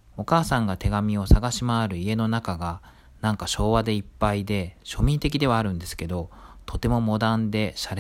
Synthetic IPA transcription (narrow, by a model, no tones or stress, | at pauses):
o̞kaːsãŋɡat̪e̞ɡamʲio̞saɡaɕimaːɾɯ̟ie̞no̞nakaɡa | nãŋkaɕo̞ːβad̪e̞ipːaid̪e̞ɕo̞mʲĩnt̪e̞k̬ʲid̪e̞βaːɾɯ̟̃nd̪e̞sɨ̥ke̞d̪o̞t̪ʰo̞t̪e̞mo̞mo̞d̪ãnd̪e̞ɕaɾe